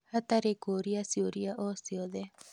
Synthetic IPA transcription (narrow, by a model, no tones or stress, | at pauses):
hat̪aɾekoɾiasioɾiaʔosioðe